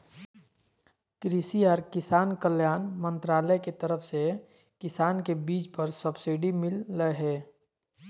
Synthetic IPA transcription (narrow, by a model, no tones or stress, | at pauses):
kɾisiəɾkɪsaːnkəljaːnmə̃nt̪ɾaːləjket̪əɾəfse | kɪsaːnkebiːt͡ʃpəɾsəbsiɖimɪlːəɦɛː